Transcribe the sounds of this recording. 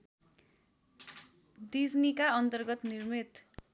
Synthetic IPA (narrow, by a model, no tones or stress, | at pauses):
ɖid͡znikaʌnt̪ʌrɡʌt̪nirmit̪